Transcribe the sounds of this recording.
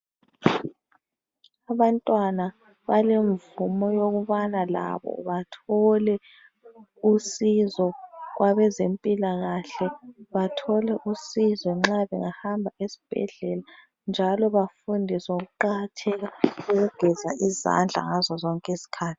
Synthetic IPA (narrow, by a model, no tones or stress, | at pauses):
aβantʼwana | βaleɱvumɔjoɣuβanala̰βɔ̰βatʰɔlɛ | usizɔɣwaβɛzempʼilaɣaɬɛβatʰɔlɛʔusizɔŋ͡ǁaβɛ̰ŋahambʱaʔesi̥b̥ʱɛ̰ɮɛla | nd͡ʒʱalɔβafundʱisoɣuǃatʰɛɣauɣuɡ̥ʱɛzaʔiza̰nd͡ɮʱa̰ŋazɔzɔŋkʼesi̥kʰaːtʰi̥